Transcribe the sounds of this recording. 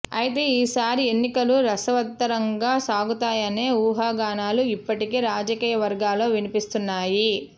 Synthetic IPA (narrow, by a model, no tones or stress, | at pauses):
ɐjit̪e̞ːiːsaːɾienːikɐluɾɐsɐʋɐt̪ːɐɾɐŋɡaːsaːɡut̪aːjɐne̞ːuːɦaːɡaːnaːluipːɐʈikeːɾaːd͡ʒɐkiːjɐʋɐɾɡaːlo̞ːʋinipist̪unːaːji